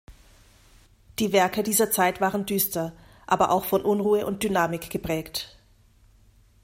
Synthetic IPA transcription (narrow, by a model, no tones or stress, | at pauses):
d̥iːvɛɐkədiːzɐt͡saɪtv̥aːʁəndyːstɐ | ʔaːbɐʔa̰ʊxfɔnʔʊnʁuːəʔʊnt̚d̥ynaːmɪkɡ̥əpʁ̥ɛːkt